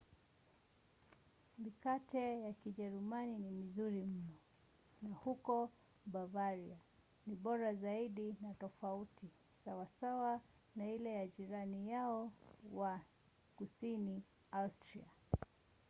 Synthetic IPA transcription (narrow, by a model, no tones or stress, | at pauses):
mikatɛjakiʄɛɾumaninimizuɾim̩nɔ | nahukɔ | ɓavaɾia | niɓɔɾazaiɗinatɔfauti | sawasawa | nailɛjaʄiɾanijaɔwa | kusini | astɾḭa̰